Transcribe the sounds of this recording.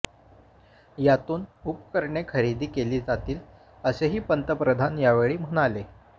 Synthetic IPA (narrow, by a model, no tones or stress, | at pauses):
jat̪uːnupkəɾɳekʰəɾid̪ʱiːkeliːd͡zat̪iːl | əseɦiːpənt̪əpɾəd̪ʱanjaʋeɭiːm̤əɽ̃ale